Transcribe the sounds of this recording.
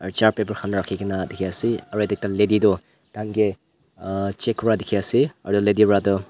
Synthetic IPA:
ɐɾt͡ʃaɾpebɐɾkʰamnaɾakʰːiɡʰɐnadikʰiasiɐɾejdek̚taledidɔ | d̥aŋɡe | t͡ʃekʰɔɾadikʰiasiɐ̰ɾdɔlediɾadɔ

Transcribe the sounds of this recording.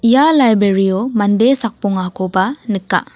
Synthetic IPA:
ijalajbɾeɾiɔmand̪esak̚puŋakɔbanɯkːa̰

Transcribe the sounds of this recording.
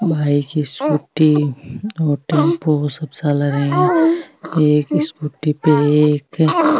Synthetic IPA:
bʱaːikiskuʈi | ɔːɾʈẽmposəbsaləɾẽ | eːkɪskuʈːipeeːk

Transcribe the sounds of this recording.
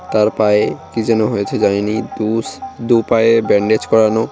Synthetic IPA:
t̪aɾpaekid͡ʑɛnoɦojet͡ɕʰed͡ʑaninid̪ud̪upaebɛɳɖed͡ʑkɔɾano

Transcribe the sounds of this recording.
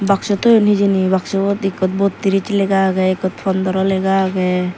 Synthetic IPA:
baksɔt̪ɔjɔnhid͡ʒinibaksɔbɔt̪ikɔt̪̚bɔt̪tːiɾit͡ʃlɛɡaɡɛikɔt̪̚pʰɔnd̪ɔɾɔlɛɡaːɡɛ

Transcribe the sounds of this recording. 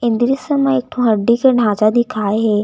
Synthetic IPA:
ɪ̃nd̪ɾisəmãek̚ʈʰõɦɐɖːikeɖ̤ʱaːd͡ʒad̪ɪkʰaːeɦɛː

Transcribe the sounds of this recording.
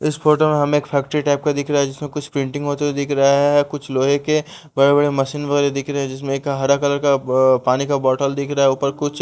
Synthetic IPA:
ɪsfʰoːʈomẽɦɐmeeːkpʰɛːk̚ʈɾiʈaːɪp̚kad̪ɪkʰɾaaɦɛd͡ʒɪsmẽkʊt͡ʃʰpɾɪ̃ɳʈɪ̃ŋɡɦoːt̪eed̪ɪkʰɾɐɦaɦɦɛkʊt͡ʃʰloːɦeke | bɐɽebɐɽemɐʃiːnʋɐɣɛːɾed̪ɪkʰɾɐɦeɛ̃d͡ʒɪs̬mẽeːkɦɐɾakɐləɾkapaːnikabɔːʈəld̪ɪkʰɾaɛʊpəɾkʊt͡ʃʰ

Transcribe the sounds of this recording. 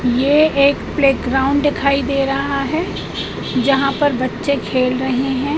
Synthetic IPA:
jeːeːkpleːkɡɾaːʊ̃ɳɖɖɪkʰaːid̪eːɾɐɦaɦɛ | d͡ʒɐɦãpɐɾbɐtːʃekʰeːlɾɐɦeɦɛ̃ː

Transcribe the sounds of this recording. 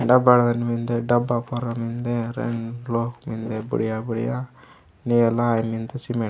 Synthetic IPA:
ɖɐbaɽʋɐnimind̪eɖɐbːapɔɾamind̪eɾḛɳloːkmind̪ebṵɽijabuɽḭja | nijelaːjmind̪esime

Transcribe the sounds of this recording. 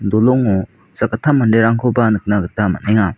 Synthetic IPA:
dolɔŋɔ | sakatʰamandeɾaŋkʰɯwbanɯk̚naɡɯtama̰neŋa

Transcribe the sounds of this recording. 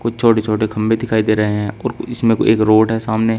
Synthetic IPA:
kʊt͡ʃʰt͡ʃʰoːʈet͡ʃʰoːʈekʰɐ̃mbed̪ɪkʰaːid̪eːɾɐɦeɦɛ̃ɔːɾɪsmẽkoḛːkɾoːɖɦɛsaːmne

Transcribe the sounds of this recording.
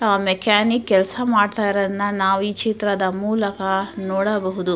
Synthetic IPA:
aːmɛkʰaːnikːɛlsɐmaːɖt̪aːjiɾɐd̪ɐnːɐnaːʋuiːt͡ʃit̪ɾɐd̪ɐmuːlɐkɐnɔːɽɐbɐɦud̪u

